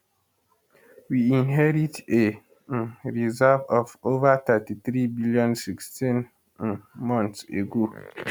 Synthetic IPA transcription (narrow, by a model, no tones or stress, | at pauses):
wiĩnɦɛɾite | ɹizavɔvovat̪ɛtiθɾibilijɔ̃nsikstĩn | mɔ̃nsḛɡo